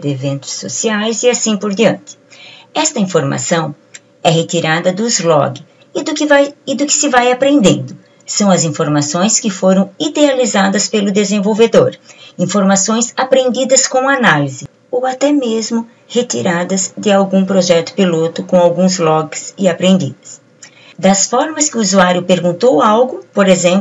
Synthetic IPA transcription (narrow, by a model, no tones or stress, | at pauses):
d̪evẽnt̪ʊ̥sːo̰siajzɪasĩpoɾd̪iɐ̃nt̪ɪ̥ɛst̪ɐĩfoɾma̰sɐ̃w̃ | ɛɦet̪iɾad̪ɐd̪ʊɪzlɔ̰ɡɪ | d̪ʊkvajɪd̪ʊkɪ̥sɪvajapɾẽnd̪ḛ̃nd̪ʊ | sɐ̃w̃ɐzĩfoɾmasõj̃skɪfoɾɐ̃w̃id̪ealizad̪ɐspelʊd̪ezẽvowved̪oɾĩfoɾmasõj̃sapɾẽnd̪id̪ɐskõanalizɪ | owat̪ɛmezmʊ | het̪iɾad̪ɐzd͡ʒ̪ɪawɡũpɾoʒɛt̪ʊ̥pilot̪ʊkõw̃awɡũzlɔɡɪsɪapɾẽnd̪ḭd̪ɐs | d̪ɐsfɔɾmɐskɪuuzuaɾjʊpeɾɡũnt̪owawɡʊpoɾezẽmp